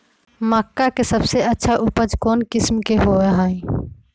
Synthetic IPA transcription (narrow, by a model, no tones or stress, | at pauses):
məkːakesəbseətːʃʰaʔupəd͡ʒʱkoːnkismkeɦoɛɦə̃ĩ